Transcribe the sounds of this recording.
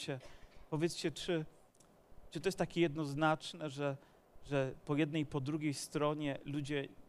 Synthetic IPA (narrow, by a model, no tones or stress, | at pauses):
t͡ɕɛpɔvʲjɛt̪st͡ɕɛt͡ʂɘ | t͡ʂɨ̥t̪ɔjɛst̪ːakʲejɛd̪nɔznat͡ʂnɛʐɛ | ʐɛpɔjɛd̪̚nɛjpɔd̪ɾuɡʲejst̪ɾɔɲɛlud͡ʑɛ